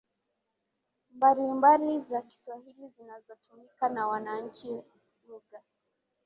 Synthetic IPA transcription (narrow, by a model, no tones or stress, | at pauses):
mbalimbalizaki̥swahilizinazɔtumikanawanaɲ̩t͡ʃi | muɡa